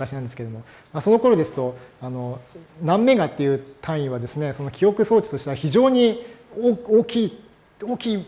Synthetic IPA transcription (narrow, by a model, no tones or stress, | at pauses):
kaɕinãnd̪sɨ̥ked̪omo̞ | maso̞no̞ko̞ɾo̞d̪e̞sɨ̥t̪o̞ano̞nãmːe̞ɡat̪ːe̞jɯ̟t̪ʰãɰ̃ĩβad̪e̞sɨne̞so̞no̞kʲʰijo̞kɯ̟so̞ːt͡ɕi̥t̪o̞ɕi̥t̪e̞βaçiʑo̞ːɲ̟iooːkʲiː | oːkʲiː